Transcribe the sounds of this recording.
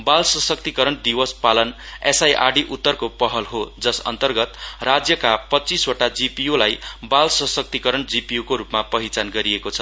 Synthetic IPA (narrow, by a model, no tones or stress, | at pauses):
balsʌsʌk̚t̪ikʌɾʌnd̪iwʌspalʌnesajʔa̰ɖiʔut̪ːʌrkopʌɦʌlɦod͡zʌsʌ̰nt̪ʌrɡʌt̪rad͡zjʌkapʌtːt͡siswʌʈad͡zipijolajbalsʌsʌk̚t̪ikʌɾʌnd͡zipijukoɾupmapʌɦit͡sanɡʌɾiekot͡sʰʌ